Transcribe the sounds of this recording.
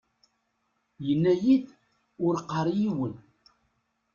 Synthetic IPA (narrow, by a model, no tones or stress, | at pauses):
jənːæjid̪ | ʊɾqːəɾˤjiwəl